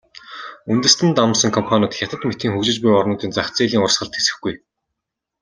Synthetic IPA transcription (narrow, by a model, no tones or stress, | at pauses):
unt̪ɘ̆st̪ɘ̆nt̪amsə̆ŋkʰɔmpʰanʲʊːt̪xʲat̪ə̆t̪met̪iːŋxɵkt͡ɕɪ̆t͡ɕpujɔrnʊːt̪iːnt͡sakt͡siːɮiːŋʊrsχə̆ɬt̪ʰesɘ̆xɡuj